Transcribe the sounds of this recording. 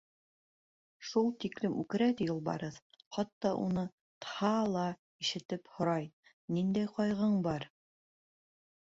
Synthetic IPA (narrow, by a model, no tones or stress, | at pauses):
ʃulˠt̪iklɘmʉkɘ̆ɾæt̪ijulˠbɑ̰ɾɤð | χɑt̪ːɑʔṵnɤ | t̪hɑlˠɑ | iʃɘ̆t̪ɘphŏɾɑj | nind̪æjqɑjʁɤɴbɑɾ